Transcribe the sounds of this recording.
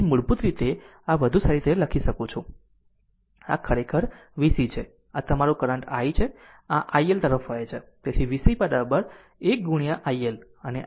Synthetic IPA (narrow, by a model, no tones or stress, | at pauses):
muɭbut̪ɾit̪e | aʋəd̪ʱusaɾit̪eləkʰiʃəkũt͡ʃʰũ | a̰kʰəɾekʰəɾʋisit͡ʃʰe | at̪əmaɾũkəɾə̃ɳʈajt͡ʃʰe | aʔajelt̪əɾəfɦojet͡ʃʰet̪et̪ʰiʋisibəɾabəɾ | ek̚ɡuɽ̃ijaʔajel | əne